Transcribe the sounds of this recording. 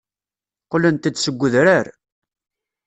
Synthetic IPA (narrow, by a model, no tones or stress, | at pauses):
qələnt̪ət͡sːsəɡʷːəðɾaɾ